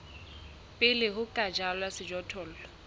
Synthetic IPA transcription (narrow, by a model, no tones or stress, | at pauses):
pʼɪlɪɦʊkʼad͡ʒalwasɪd͡ʒɔtʰɔːl̩lɔ